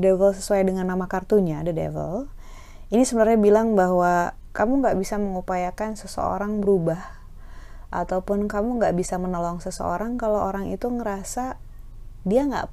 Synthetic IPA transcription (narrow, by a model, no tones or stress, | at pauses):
devəlsəsuajdəŋanːamakart̪uɲadədḛvə̰l | inisəbənarɲabilaŋbaɦwa | kamuŋɡaʔbisaməŋupajakansəsə̰o̰ɾaŋbəɾubah | ʔa̰t̪aupʊnkamuŋɡaʔbisamənolɔŋsəsə̰o̰ɾaŋkaloʔoɾaŋḭt̪uŋəɾasa | diaŋɡa̰ʔ